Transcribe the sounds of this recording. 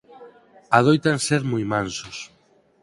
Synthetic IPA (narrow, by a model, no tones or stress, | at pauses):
aðojt̪anseɾmujmãnsos